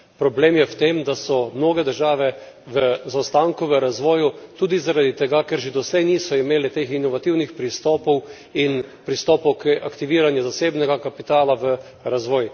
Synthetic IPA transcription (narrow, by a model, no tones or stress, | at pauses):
pɾɔbleːmjɛwt̪eːmd̪asɔmnoːɡɛd̪əɾʒaːʋɛ | ʋəzawst̪aŋkuʋəɾazʋɔːjut̪uːd̪izaɾad̪it̪ɛɡakɛɾʒed̪ɔslɛjniːsɔimeːlɛt̪eːxinɔʋat̪iwnixpɾist̪ɔːpɔw | inpɾist̪ɔːpɔwkʔakt̪iʋiːɾanjɛzaseːbnɛɡakapit̪aːlaʋə | ɾazʋɔːj